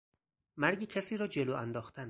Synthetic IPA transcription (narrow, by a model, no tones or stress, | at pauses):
mæɾɡiːcʰæsiːɾɒːd͡ʒeloːænd̪ɒːxt̪ʰæn